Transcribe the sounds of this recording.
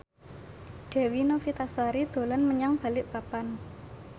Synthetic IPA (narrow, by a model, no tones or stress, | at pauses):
ɖ̥ɛ̤winofit̪aswaɾid̪̥o̤lanməɲaŋb̥a̤lɪʔpapan